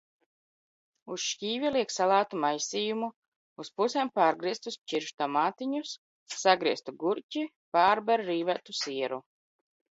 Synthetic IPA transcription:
usʃcʲiːvʲɛlˠiɛksalˠaːt̪umajsʲiːjumu | uspusɛmpaːɾɡɾiɛst̪usʲt͡ʃiɾʃt̪amaːt̪iɲusː | aɡɾiɛst̪uɡuɾcʲi | paːɾbɛɾɾiːvæt̪usiɛɾu

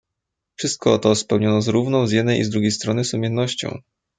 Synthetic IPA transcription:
fʂɘst̪̚kʰɔɔt̪ɔspɛwɲɔnɔzɾuvnɔ̃w̃zʲjɛd̪nɛjʔḭzd̪ɾuɡʲejst̪ɾɔnɘsumʲjɛnːɔɕt͡ɕɔ̰̃w̃

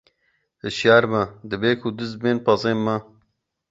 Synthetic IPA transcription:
hɨʃjaːɾmɐd̪ɨbeːkʰud̪ɨz̚beːnpɑzeːnmɐ

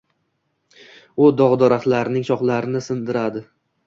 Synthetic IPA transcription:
ʊd̪ɒʁd̪ɒɾaχlaɾnɪŋʃɒχlˠaɾɪnɪsɪnd̪ɪɾad̪ɪ

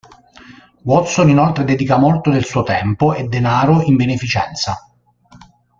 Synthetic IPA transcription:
wɔt̪soninolt̪ɾed̪ɛd̪ikamolt̪od̪elsuːot̪ɛmpoed̪ːenaːɾoimbenefit͡ʃɛ̰nt̪sa

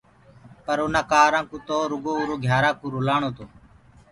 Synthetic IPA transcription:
pəɾʊnãːkaːɾãːkuːt̪oːɾʊɡoːʊɾoːɡʱjaːɾãːkũːɾʊlaːɳoːt̪oː

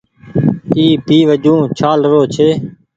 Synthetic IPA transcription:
iːbʱiːʋəd͡ʒũːt͡ʃʰaːlɾoːt͡ʃʰeː

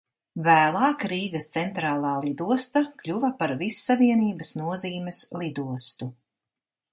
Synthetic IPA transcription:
væːlˠɑːkɾiːɡɐst̪sɛnt̪ɾaːlˠɑːlˠid̪uɔst̪akʎʲuvɐpaɾvisːaviɛniːbɐsnuɔziːmɛslˠid̪uɔst̪u

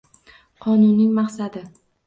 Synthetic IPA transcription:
qʰɒnʊnːɪŋmɑqsad̪ɪ

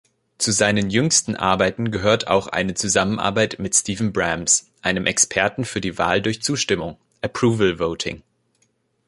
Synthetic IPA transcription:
t͡suzaɪnənjʏŋstn̩ʔa̰ɐbaɪtn̩ɡəɦøːɐtʰa̰ʊxʔa̰ɪnət͡suzamənʔa̰ɐbaɪtmɪtstiːvn̩bʁamsʔaɪnəmʔɛkspʰɛɐtn̩fyːɐdiːva̰ːldʊɐçt͡suːʃtɪmʊŋ | ʔəpʁ̥uːvəl̩voʊtʰɪ̰ŋ

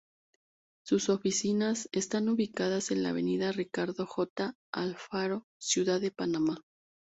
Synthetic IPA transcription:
suso̞fisinase̞st̪anuβikaðase̞nla̰βe̞̰niðarikaɾðo̞xo̞t̪a | alfaɾo̞ | sjuðaðe̞panama

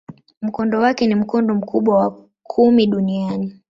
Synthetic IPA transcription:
m̩kɔndɔwakɛnim̩kɔndɔm̩kʰuɓwawa | kʰumiɗuniani

